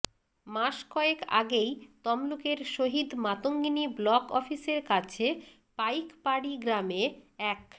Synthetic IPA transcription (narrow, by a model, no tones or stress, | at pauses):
maʃkɔeka̰ɡejt̪ɔmlukeɾʃoɦid̪mat̪oŋɡiniblɔkɔ̰fiseɾkat͡ɕʰe | pajkpaɽiɡɾameɛk